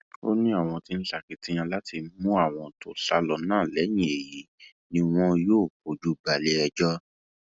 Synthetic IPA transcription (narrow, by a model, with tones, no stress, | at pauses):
o˦nĩ˦a˦˨w̃ɔ̃˧ti˦n̩˦a˨ki˨tĩ˦j̃ã˧la˦ti˧˦mũ˦a˦˨w̃ɔ̃˧to˨ɬa˧lɔ˧˨nãː˦˨lɛ˨˦j̃ĩ˨e˨ji˨˦ | nĩ˧w̃ɔ̃˦joː˦˨ko˨d͡ʒu˦ba˨le˧ɛ˧d͡ʒɔ˦